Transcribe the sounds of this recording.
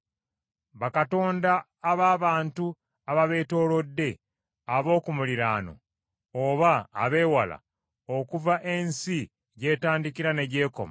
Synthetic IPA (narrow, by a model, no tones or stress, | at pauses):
βakato̞ːndaː | βaːβaːntu | aβaβe̞ːto̞ːlo̞dːe̞ | aβo̞ːkumuliɾaːno̞̰ | oβa̰ːβe̞ːwala̰ | okuvaʔe̞nsi | ɟe̞ːtaːndikiɾane̞ɟe̞ːko̞̰ma